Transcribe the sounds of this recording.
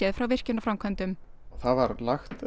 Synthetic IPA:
ɛðfɾawvɪr̥cɪnːafɾamkʰvant̪ʏm | θaðvaɾlaxt̪

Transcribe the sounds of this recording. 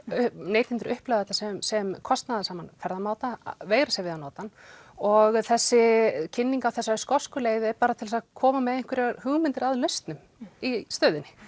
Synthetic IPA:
ʏneːjt̪ɪnt̪ʏɾʔʏhplœðɛt̪asɛmsɛmkʰɔst̪naðasaːmanfɛɾðamaːwt̪aveːjɾasɛavɪðanɔːt̪an | ɔɣθɛsːɪcʰɪnːiŋkawθɛsːaskɔskʏleːjðɪɛɾpaːɾat̪ʰɪlsakʰɔːmamɛðeŋ̥kʰvɪɾɛɾhʏɣmɪnt̪ɪɾaðlœɥst̪nʏm | ist̪œːɥðɪnːɪ̥

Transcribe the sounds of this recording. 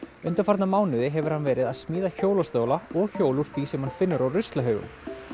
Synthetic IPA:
ʏnt̪afaɾt̪namaːwnʏðɪɦɛvʏɾ̥hanvɛːɾɪðaðsmiːðaçoːwlast̪œːwlaɔɣçoːwluɾ̥θisɛmhanfɪnːʏɾawrʏst̪laɦœːɥɣʏ̰m

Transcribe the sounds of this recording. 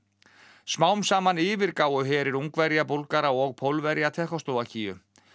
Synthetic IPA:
smaːwmsaːmaniːvɪɾkaːwʏɦɛːɾɪɾuŋkvɛɾjap̬owlkaɾaɔɣpʰowlvɛɾjat̪ʰɛhkɔst̪owvacʰiːjʏ

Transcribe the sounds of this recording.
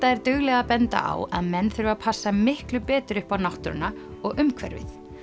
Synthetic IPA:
t̪aɛɾt̪ʏɣlɛɣapɛnt̪a̰ʔa̰wa̰ðmɛnːθʏɾvapʰasːamɪhklʏpɛːt̪ɾʏhpawnawht̪ɾʏ̰na | ɔɣʔʏmkʰvɛ̰ɾvɪ̰θ

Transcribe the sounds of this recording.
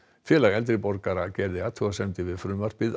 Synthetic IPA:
fjɛːlaɣɛlt̪ɾɪpɔɾkaɾacɛɾðɪat̪ʰuasɛmt̪ɪvɪðfɾʏːmar̥pɪð

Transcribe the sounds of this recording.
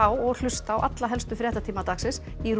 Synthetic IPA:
awɔɣl̥ʏst̪aːwʔa̰t̪laɦɛlst̪ʏfɾjɛːht̪at̪ʰiːmat̪aksɪs | iɾ

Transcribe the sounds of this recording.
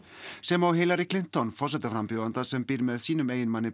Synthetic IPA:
sɛmawheːjlaɾɪkʰlɪn̥t̪ɔnfɔrs̬ɛt̪afɾampjɔðant̪asɛmpiːɾmɛðsiːnʏmejɪnmanːɪ

